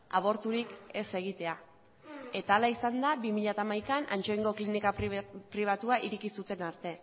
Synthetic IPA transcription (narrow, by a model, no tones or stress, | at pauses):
a̰β̞o̞ɾt̪uɾike̞se̞ɣ̞it̪e̞a | e̞t̪aːlaisand̪aβimiʎat̪aːmajkanʔa̰nt͡ʃo̞iŋɡo̞klinikapɾiβ̞at̪uaʔiɾikisut̪e̞naɾt̪e̞